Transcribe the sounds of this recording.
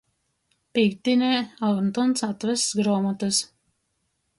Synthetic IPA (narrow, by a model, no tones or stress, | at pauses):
pikt̪inʲɛːalˠnt̪ɔnsat̪væsɡɾɔːmɔt̪ɨs